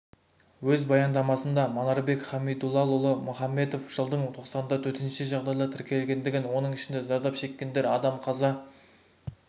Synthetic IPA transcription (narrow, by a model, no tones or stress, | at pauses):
wɵzbɑjɑnd̪ɑmɑsənd̪ɑmonɑɾbe̞kχɑmid̪ulˠːɑlˠʊlˠəmʊχɑmːe̞t̪o̞fʒ̥əlˠd̪əɴt̪ʰo̞qsɑnənd̪ɑt̪ʰɵɾt̪enʃɪʒɑʁd̪ɑjlˠɑɾt̪ʰɪɾkʲʰe̞lɡʲe̞nd̪ɪɡʲɪnwo̞nəɴɪʃɪnd̪ezɑɾd̪ɑpʃe̞kʲːe̞nd̪e̞ɾɑd̪ɑmqʰɑzɑ